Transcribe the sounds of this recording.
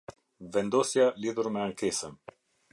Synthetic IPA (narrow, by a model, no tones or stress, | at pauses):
vɛnd̪ɔsjaliðuɾmɛaŋkɛsən